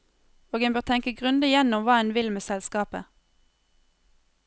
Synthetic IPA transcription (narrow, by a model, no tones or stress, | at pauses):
oːɡənbøːʁt̪ʰɛŋkəɡʁʉnd̪əjɛnʊmʋɑːɛnʋɪlmeːsɛlskɑːpə̰